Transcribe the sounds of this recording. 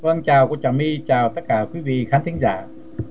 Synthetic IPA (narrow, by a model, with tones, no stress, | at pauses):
və˧nt͡ɕaː˨˩wku˧˩ət͡ɕaː˨˩wmi˧t͡ɕaː˨˩wt̪ə˦˥t̚kaː˧˩kwi˨˦vḭ˧˨xaː˨˦nt̪ʰi˨˦ŋzaː˧˩